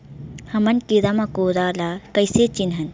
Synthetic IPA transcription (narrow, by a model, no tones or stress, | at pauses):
hɐmɐnkiɾamãkoːɾaːlakɐjset͡ʃinɦɐn